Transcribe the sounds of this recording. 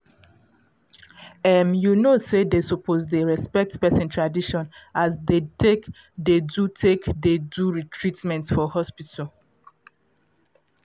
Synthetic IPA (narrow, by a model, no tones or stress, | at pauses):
ɛmjunosedesupʰozdeɹɛspɛk̚tpɛsĩntʰɹadiʃɔ̃nazdetʰek | dedutʰekdeduɹitʰɹitmɛ̃ntfɔhɔspitʰal